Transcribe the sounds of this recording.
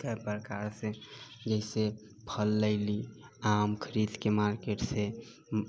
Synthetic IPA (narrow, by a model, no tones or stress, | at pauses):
apɾkaɾsẽd͡ʒəɪse | pʰəlːəɪliamkʰəɾid̪kemaɾkeʈse